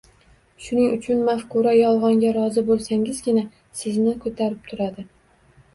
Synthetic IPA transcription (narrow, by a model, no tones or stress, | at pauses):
ʃʊnɪŋʊt͡ʃʰʊnmafkʊɾajɒlˠʁɒŋɡʲaɾɒzɪbolˠsaŋɪzɡʲɪna | sɪznɪkʰɵt̪ʰaɾɪp̚t̪ʰʊɾad̪ɪ